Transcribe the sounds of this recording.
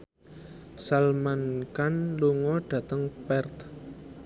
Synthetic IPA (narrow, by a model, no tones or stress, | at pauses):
salmankanluŋɔɖ̥ä̤t̪əŋpɛrt̪